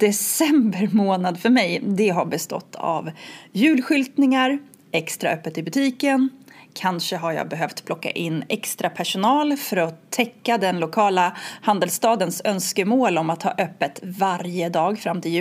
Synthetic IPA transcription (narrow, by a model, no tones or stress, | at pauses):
d̪̥ɛsɛmbəɾmoːnad̪fœɾmɛjd̪ɛɦaɾbɛst̪ɔ̰t̪ʰːa̰vjʉ̟ːlɧʏlt̪nɪŋaɾ | ɛkst̪ɾa̰œpːət̪ɪbɵt̪ʰiːkənkʰanʂəɦaɾjɑ̰ːɡbɛɦœft̪pʰlɔkːa̰ʔɪnːɛkst̪ɾapʰæʂʊnɑːlfœɾɔt̪ʰːɛkːad̪ɛnlʊkʰɑːlahand̪əlst̪ɑːd̪ənsœnskəmoːlɔmat̪ʰhɑ̰ːʔœpːət̪vaɾjəd̪ɑːɡfɾamːt̪ʰɪljʉ